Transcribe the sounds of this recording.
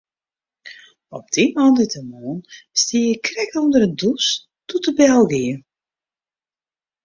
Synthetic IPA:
ɔp̚d̥imɔndətəmoːnstijəkrɛkundəɾədus | tutəbɛlˠɡiə

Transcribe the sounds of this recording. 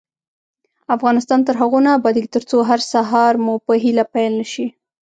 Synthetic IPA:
afɣɑnɪst̪ɑnt̪əɾɦaɣunabɑd̪iɡit̪əɾt͡soɦaɾsaɦɑɾmupəɦilapajlnəʃi

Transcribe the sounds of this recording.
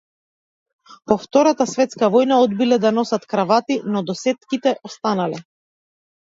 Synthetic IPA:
pɔft̪ɔɾat̪asvɛt̪skavɔjnaɔd̪bilɛd̪anɔsat̪kɾavat̪inɔd̪ɔsɛt̪kit̪ɛʔɔst̪analɛ

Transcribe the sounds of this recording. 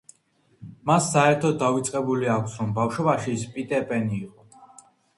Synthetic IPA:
masːaɛɾt̪ʰɔavit̪sʼqʼɛbuliakʷʰsɾɔmbafʃwɔbaʃispʼit̪ʼɛpʼɛniːqʼɔ

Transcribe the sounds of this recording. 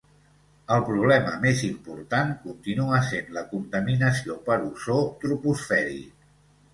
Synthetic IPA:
əlˠpɾuβ̞lɛməmezimpuɾt̪aŋkunt̪inuəsenləkunt̪əminəsiopəɾusot̪ɾupusfɛɾḭ

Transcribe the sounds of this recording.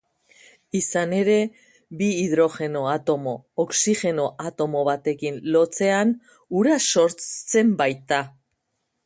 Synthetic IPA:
isane̞ɾe̞ | biːðɾo̞xe̞no̞at̪o̞mo̞ːksixe̞no̞ʔat̪o̞mo̞βat̪e̞kinlo̞t͡se̞an | uɾaso̞ɾt͡st͡se̞mbajt̪a

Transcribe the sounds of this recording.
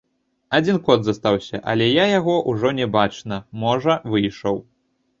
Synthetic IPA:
ad͡zʲinkɔd̪zɐst̪awsʲɐʔɐ̰lʲɛjajaɣɔʔuʐɔnʲɛbat͡ʂnɐmɔʐɐvɨjʂɐw

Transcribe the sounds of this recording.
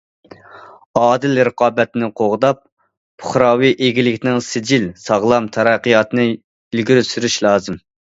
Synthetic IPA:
ɑːd̪ɪlɾəqʰɑːbɛt̪nɪqʰoʁd̪ɑp̚ | pʰʊ̥χɾɑːwiʔeɡʲilɪkʲnɪŋsɪd͡ʒilsɑʁlˠɑmt̪ʰɑɾɛqːɨjɑt̪ɨnɨ | ilɡʲiɾysyɾyʃlˠɑːzɨm

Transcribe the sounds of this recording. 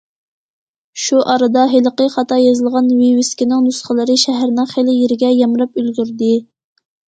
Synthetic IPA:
ʃuʔɑɾɨd̪ɑɦelˠəqəχɑt̪ɑjɑzɨlˠʁɑnwiwɪskʲinɪŋnusχəlˠɨɾɨʃæɦæɾnɨŋχelɪjeɾɪɡʲɛjɑmɾɑpølɡʲyɾd̪ɪ

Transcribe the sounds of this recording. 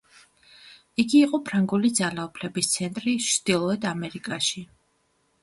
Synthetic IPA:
iɡiːqʼɔpʰɾaŋɡulid̪zalaupʰlɛbist̪sʰɛnt̪ʼɾiʃʰd̪̥ilˠɔɛd̪amɛɾikʼaʃi

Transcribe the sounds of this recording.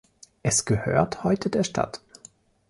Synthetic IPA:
ʔɛsɡ̥əhø̰ːɐthɔʏtʰədeːɐʃtʰa̰t

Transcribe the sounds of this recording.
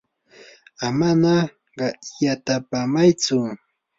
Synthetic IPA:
amana | ɢɑjat̪apamajt͡sʊ

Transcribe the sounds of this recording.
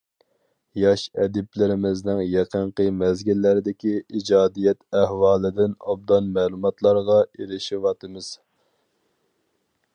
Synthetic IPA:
jɑʃɛd̪ɪplɪɾɪmɪznɪŋjɛqʰəɴqəmɛzɡʲilːæɾɪd̪ɪkʲiid͡ʒɑːd̪ijɛt̪ɛhwɑːlˠɪd̪ɪnɑb̚d̪ɑnmɛlˠumɑt̪lˠɑɾʁɑeɾɪʃiwɑt̪ʰɨmɨz̥

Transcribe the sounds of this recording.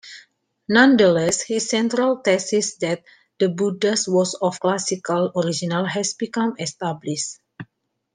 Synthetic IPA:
nãndəlɛshisːɛ̃nt̪ɾalt̪ɛsisdɛt̪̚ | dəbudəswɔsɔfklasikalɔɾid͡ʒinalɦɛsbikãmɛst̪abliʃt

